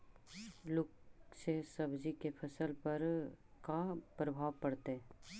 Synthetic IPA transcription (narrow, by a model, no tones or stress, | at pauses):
lʊksesɐbd͡ʒikepʰɐsəlpɐɾkapɾɐbʱaːʋpɐɽt̪eɛ